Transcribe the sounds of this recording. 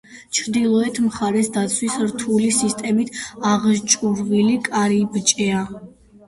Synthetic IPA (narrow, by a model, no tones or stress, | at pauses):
t͡ʃʰɾd̪ilˠɔɛt̪ʰmχaɾɛsd̪at̪sʰwisɾt̪ʰulisist̪ʼɛmit̪ʰaʁʒt͡ʃʼuɾʁilikʼaɾibt͡ʃʼɛa